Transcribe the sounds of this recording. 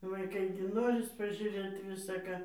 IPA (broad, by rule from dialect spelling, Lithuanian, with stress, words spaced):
ʋɐɪˈkɐɪ ɡʲɪ ˈnoːrʲɪs pɐʒʲuːˈrʲeːt ʋʲɪsɐ ˈkɑː